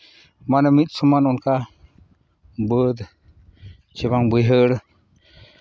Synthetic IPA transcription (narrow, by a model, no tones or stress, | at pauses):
manɛmit̪̚ˀsɔmanɔnka | bəd̪ | t͡ʃɛβaŋbəjɦəɽ